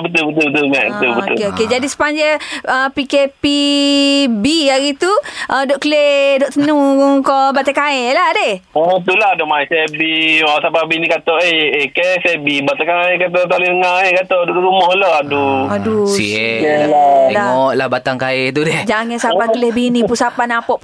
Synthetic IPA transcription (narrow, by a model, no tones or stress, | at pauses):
abət̪ulbət̪̬ulbət̪̬ulmaʔbət̪ulbəot̪ṵlkeoked͡ʒadisə̥paɲd͡ʒəəpikepi | biaɣit̪uʔədɔʔkəledɔʔt̪ənukɔbat̪akaeladeɔt̪uladɔʔmaisɛbiɔsapabinikat̪ɔʔeekesebibat̪akaɛkat̪ɔt̪aliəŋaekat̪ɔʔdɔʔʔlumɔhloaduadusie | daɔʔlahbat̪aŋkaɛt̪udɛhd͡ʒaŋəsapankəlehbinipunsapanapɔʔp